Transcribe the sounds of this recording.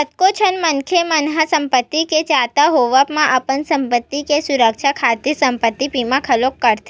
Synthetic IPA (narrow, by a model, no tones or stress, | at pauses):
ət̪kot͡ʃʰənmənkʰemənɦasəmpət̪ːiket͡ʃat̪aɦoʋapmãʔəpənsəmpət̪ːikesuɾəkʃʰakʰat̪esəmpət̪ːipimãkʰəlokːəɾt̪ʰe